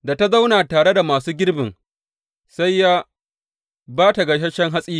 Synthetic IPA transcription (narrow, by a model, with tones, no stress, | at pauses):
da˨ta˦za˦wnaː˨taː˨ɽe˦da˨maː˨suː˦ɡʲɪ˦ɽbɪ˨ŋ | sa˦jːaː˦ | baː˦ta˨ɡɐ˨ʃ̬ɐ˦ʃɛ˦ŋɦa˦sʼiː˦